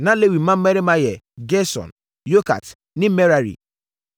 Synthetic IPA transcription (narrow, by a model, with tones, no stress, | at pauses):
nã˦le˦wi˨m̩˦mã˦m̩˦me˦ɾe˦mã˦jɛ˨ | ɡe˦sɔ̰̃˨n | jo˦ka̰˨t | nĩ˦me˦ɾa˨ɾḭ˨